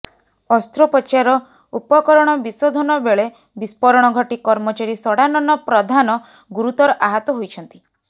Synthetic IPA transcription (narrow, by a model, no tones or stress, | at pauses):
ɔst̪ɾopɔt͡ʃaɾɔ | upɔkɔɾɔɽ̃ɔbisod̪ʱɔnɔbeɭe | bispɔɾɔɽ̃ɔɡʱɔʈikɔɾmɔt͡ʃaɾisɔɽanɔnɔpɾɔd̪ʱanɔ | ɡuɾut̪ɔɾɔʔaɦɔt̪ɔɦojt͡ʃʰɔn̪t̪i